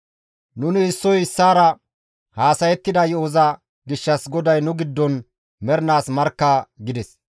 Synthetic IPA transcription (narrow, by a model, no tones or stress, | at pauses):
nʊnɪːsːɔjɪsːaːɾɐ | haːsɐjɛt̪ːɪd̪ɐjɛoːzɐ | ɡɪʃːɐsɡɔd̪ɐjnʊɡɪd̪ːɔn | mɛɾnaːsmɐɾkːaːɡɪd̪ɛs